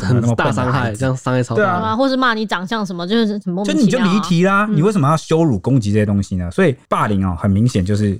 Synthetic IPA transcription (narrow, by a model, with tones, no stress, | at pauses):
ə˨˧n˥˩˨a˥˩sɑ˥ŋxa˥˩ɪ˩t͡ɕjɑ˥˧ŋsɑ˥˦ŋa˥˩ɪ˧˦twe˥˩˧xwɔ˥˧ʂɻ̩˥˧ma˥˩ni˧˥ʈ͡ʂɑ˨˩ŋɕjɑ˥˩ŋʂ̬ə˧nmə˧t͡ɕjo˥˧ʂɻ̩˥˩˥ə˨˩˥ni˨˧˨jo˥˧˩i˧˥t̪ʰi˧˥la˧ni˨˩we˥˩ɪʂə˧˩mə˦jɑ˥˧ʊɕjo˥ʊɻu˨˩kʊ˥ŋt͡ɕi˧˥ə˥˩ɕɛ˧t̪ʊ˥ŋɕi˨nə˨swɔ˧˥i˨˩pa˥˩li˧˥ŋɔ̰˧˩xə˨˩nmi˧˥ŋɕjɛ˨˩nt͡ɕjo˥˧ʊʂɻ̩˥˩